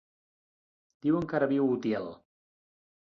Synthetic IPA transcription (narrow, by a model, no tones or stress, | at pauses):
d̪̥iwəŋkaɾəβiwut̪ɛlˠ